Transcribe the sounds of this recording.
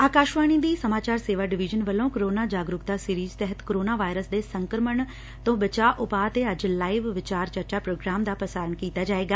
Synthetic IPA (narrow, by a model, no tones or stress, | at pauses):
aːkaːʃʋaːɽ̃ĩd̪iːsɐmaːt͡ʃaːɾseːʋaɖɪʋid͡ʒənʋəlõkoɾoːnaːd͡ʒaːɡɾʊkt̪asiɾiːzt̪ɛɦət̪koɾoːnaʋaːjɾəsd̪esə̃ŋkɾəməɳ̃ | t̪õbət͡ʃaːʔʊpaːt̪eɐd͡ʒlaːiʋʋɪt͡ʃaːɾt͡ʃəɾt͡ʃapɾoːɡɾaːmd̪aːpɐsaːɾəɳkiːt̪ad͡ʒaːeːɡaː